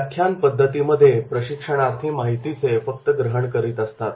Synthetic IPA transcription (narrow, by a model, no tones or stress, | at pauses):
kʰjanpəd̪ʱːət̪iməd̪ʱːjepɾəɕikʂəɽ̃ast̪ɦiːmaɦit̪it͡sefək̚t̪əɡɾəɦəɳkəɾiːt̪əst̪at̪